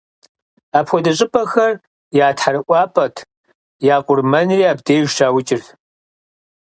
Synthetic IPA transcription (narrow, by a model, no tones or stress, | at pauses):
aːpxʷɔdɐɕʼɪpʰʼɐxɐr | jaːtħaɾɨʔʷɑːpʰʼɐtʰ | jaːqʷʊrmɐnriaːbdeːʒʃaːwʊt͡ʃʼɪr